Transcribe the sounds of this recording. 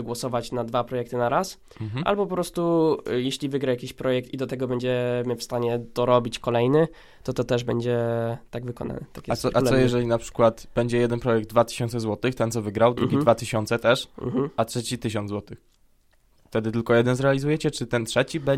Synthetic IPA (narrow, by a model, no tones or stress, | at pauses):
ɡwɔsɔvat͡ɕnad̪vapɾɔjɛk̚t̪ɘnaɾas̩ | ʔa̰lbɔp̬ɔpɾɔst̪ujeɕlʲivɘɡɾajakʲiɕpɾɔjɛk̚t̪id̪ɔt̪ɛɡɔbɛɲd͡ʑɛmʲɛfst̪aɲɛd̪̥ɔɾɔbʲit͡ɕkɔlɛjnɘ | t̪ɔt̪ɔt̪ɛʐbɛɲd͡ʑɛt̪aɡvɘkɔ̰na̰nɛ̰t̪akjɛssɔɾalsɔjɛʐɛlʲinapʂɘ̥kwat̪b̥ɛɲd͡ʑɛjɛd̪ɛnpɾɔjɛɡ̚d̪̚d̪vat̪ɘ̥ɕɔ̃nt̪sɛzwɔt̪ɘxt̪ɛnɔvɘɡɾawd̪ɾuɡʲid̪vat̪ɘɕɔnt̪sɛt̪ɛʂ̩atʂɛt͡ɕit̪ɘɕ̬ɔnzwɔt̪ɘx | ft̪ɛd̪ɘt̪ɘlkɔjɛd̪ɛnzɾɛalʲizujɛt͡ɕɛt͡ʂɘt̪ɛntʂɛt͡ɕibɛ